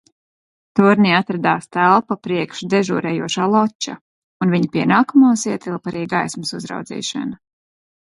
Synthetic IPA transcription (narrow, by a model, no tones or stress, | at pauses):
t̪uɾniat̪ɾad̪aːst̪ælˠpapɾiɛkʃd̪ɛʒṵːɾɛːjuɔʃaːlˠɔt͡ʃːa̰ | unviɲapiɛnaːkumaːsiɛt̪ilˠpaɾiːɡajsmɨsuzɾa̰wd̪zḭːʃa̰na